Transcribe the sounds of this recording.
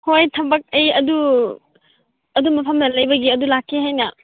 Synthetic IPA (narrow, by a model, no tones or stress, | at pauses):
hojtʰɐbɐk̚ɐjɐdu | ɐdumɐpʰɐmnɐlɐjbɐɡiɐdulakʰːiɦajna